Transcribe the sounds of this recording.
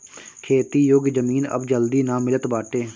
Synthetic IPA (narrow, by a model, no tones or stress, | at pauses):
kʰeːt̪iːjoːɡd͡ʒəmiːnə̰bd͡ʒəld̪iːnãːmɪlət̪baːʈeː